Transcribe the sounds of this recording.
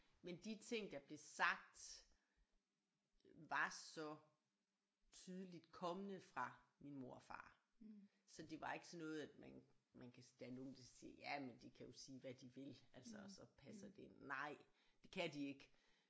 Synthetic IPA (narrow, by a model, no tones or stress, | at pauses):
mend̥it͡sʰe̝ŋ̰d̥ɑ̈b̥le̝sɑ̈ɡ̥̚d̥ | ʋɑ̈sɒ̽ | t͡sʰyð̞ˠəlid̥kʰɒ̽mənəfʁɑ̈minmo̝ɐ̰fɑ̰̈ː | sɒ̽d̥e̝ʋɑ̈e̝ɡ̥ə̥sɒ̽nɔ̽ːð̞̩ˠæd̥mænmænkʰæd̥eæɐno̝ːn̩d̥ɑ̈sḭːɐjæmend̥e̝kʰæjo̝siːʋæd̥iʋe̝lælsɐsɒ̽pʰæsɐd̥e̝nnɑ̈ɪ̰d̥e̝kʰæd̥ie̝ɡ̥